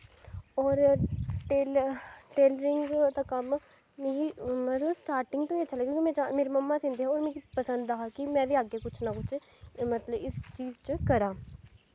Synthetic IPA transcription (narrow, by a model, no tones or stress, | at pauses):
ɔːɾʈeːlʈeːlɾɪŋɡd̪ãːkəm | meimət̪ləbsʈaːɾʈɪŋɡ̚t̪õːet͡ʃʰalaːkjõːkimɛ̃ːt͡ʃameːɾeːməmːaːsɪ̃nd̪eːɦãːoːɾmẽːɾipəsənd̪aɦaːkɪmɛ̃ːʋiːaːɡeːkʊt͡ʃʰnaːkʊt͡ʃʰ | mət̪ləbɪst͡ʃiːzt͡ʃkəɾãː